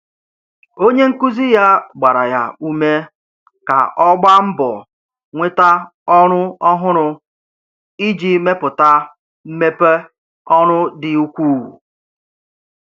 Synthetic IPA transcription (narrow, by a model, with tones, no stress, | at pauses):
o˦ɲe˦ŋ̩˦ku˦zi˦ja˦ɡ͡ba˨ɾa˨ja˦u˦me˦ | ka̰˨ʔɔ˦ɡ͡ba˦m̩˦bɔ̰˨ | ŋʷe˦ta˦ | ɔ˦ɾʊ˦ɔ˦ɦʊ˦ɾʊ˦ | i˦d͡ʒi˨me˦pʊ˨ta˦ | m̩˦me˦pe˦ | ɔ˦ɾʊ˦dɪ˨u˦kʷu˦wṵ˨